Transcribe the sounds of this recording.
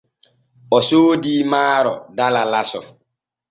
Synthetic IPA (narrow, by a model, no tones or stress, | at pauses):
ɔsodimaːɾɔ̰dalalasɔ